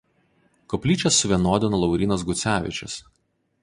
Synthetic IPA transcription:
kɔpʲlʲiːt͡ʃʲɛsːʊʋʲiɛnoːd̪ʲɪnɔlˠɒʊɾʲiːnɐsɡʊt̪sʲæːʋʲɪ̰t͡ʃʲɛ̰s

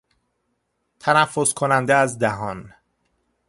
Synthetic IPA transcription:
t̪ʰænæfːoskʰonænd̪eæzd̪æɦɒn

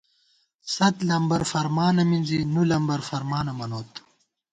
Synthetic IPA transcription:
sɐt̪lɐmbɐɾfɐɾmaːnɐmind͡zinulɐmbɐɾfɐɾmaːnɐmɐnoːt̪

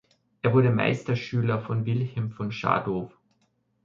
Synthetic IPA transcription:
ʔeːɐvʊɐɾəma̰ɪstɐʃyːlɐfɔnvɪlhɛlmfɔnʃa̰ːdoːf

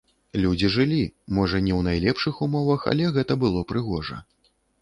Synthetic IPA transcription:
lʲud͡zʲiʐɨlʲimɔʐɐnʲɛwnajlʲɛpʂɨxumɔvɐxɐ̰lʲɛɣɛt̪ɐbɨlˠɔpɾɨɣɔʐɐ̰

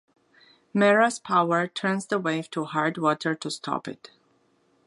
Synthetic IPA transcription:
mɛɹaspʰaʊə˞tʰɜ̃˞nzðəweɪv̥tʰuhaɹd̚wɔtʰə˞tʰustʰɔ̰pɪ̰t

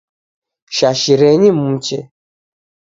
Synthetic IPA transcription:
ʃaʃiɾɛɲimũt͡ʃɛ̰

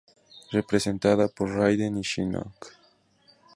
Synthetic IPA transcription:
repɾesent̪aðapoɾrajd̪eniʃinɔ̰k

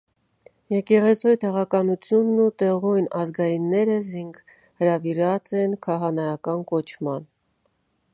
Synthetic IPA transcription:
jɛkɛʁɛt͡sʰɔjt̪ɛʁɑkɑnut͡sʰjunːut̪ɛʁɔjnɑzɡɑjinːɛɾəziŋɡ | həɾɑviɾɑt͡sɛnkʰɑɦɑnɑjɑkɑnkɔt͡ʃʰmɑn

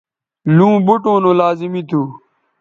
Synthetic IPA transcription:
lũːbuʈõːnõːlaːzimit̪ʰuː

